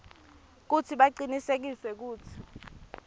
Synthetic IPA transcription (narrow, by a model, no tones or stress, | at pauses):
k̬utʰiɓaǀinisek̬isɛk̬uːt͡sʰi̥